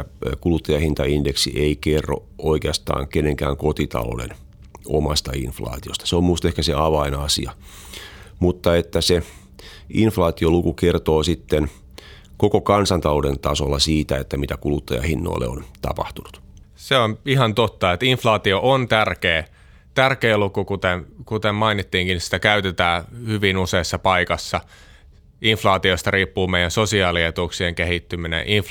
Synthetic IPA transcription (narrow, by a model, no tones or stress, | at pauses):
kulut̪ːɑjɑhint̪ɑindeksḭʔeikerːo̰ʔoikeɑst̪ɑ̰ːŋkenːeŋkæ̰ːŋkot̪it̪ɑ̰lo̰dḛn | omɑst̪ɑinflɑ̰ːt̪iost̪ɑ̥seommuist̪ehkæseɑʋɑinɑsḭɑ | mut̪ːɑet̪ːæse | inflɑːt̪iolukukert̪oːsit̪ːen | kokokɑnsɑnt̪ɑloːdent̪ɑsolːɑsiːt̪æet̪ːæmit̪ækulut̪ːɑjɑ̰hinːo̰ilːḛo̰nt̪ɑ̰pɑht̪unut̪seonihɑnt̪ot̪ːɑet̪iɱflɑːt̪ioʔont̪ærkeː | t̪ærkeːlukukut̪enkut̪emmɑinit̪ːiːŋkinsi̥t̪ækæyt̪et̪æːhyʋinuseːsːɑpɑikɑsːɑ | iɱflɑːt̪iost̪ɑriːpːuːmeijænsosiɑːliet̪uksieŋkehit̪ːyminḛʔiɱf